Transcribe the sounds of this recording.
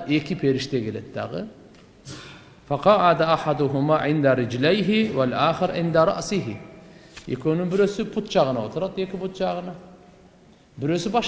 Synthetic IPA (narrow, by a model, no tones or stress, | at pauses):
ekʰʲɪpʰeɾɪʃt̪ʰekʰʲeled̪̚d̪ɑ̰ʁɨ̰ | faqɑːʕad̪aaħad̪ʊɦʊmaːʕɪnd̪aɾɪd͡ʒlajɦɪwalʔaːxɪɾʕɪ̰nd̪aɾˤɑ̰ʔsɪɦɪ | ḛkʰʲonɨŋbɪɾøsɪpʰʊt̪t͡ʃʰɑʁənɑot̪ʰʊɾɑd̪ekʲɪpʊt̪t͡ʃɑʁənɑ | bɪɾøsɪbɑ